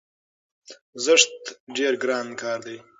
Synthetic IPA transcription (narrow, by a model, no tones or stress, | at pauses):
zəʂt̪ɖeːɾɡɾɑːnkʰɑːɾd̪aj